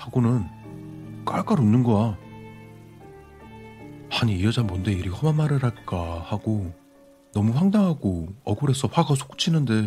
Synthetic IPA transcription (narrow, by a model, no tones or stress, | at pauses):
haɡonɯn | k͈aɭk͈aɾonːɯnɡʌja | maɲiːʌd͡ʑanmonde̞iɾihʌmamaɾɯɾaɭk͈ahaɡ̥o | nʌmuɸwaŋdaŋɦaɡoʌɡoɾe̞sʰʌɸʰaɡasʰo̥k͈t͡ɕʰinɯnde̞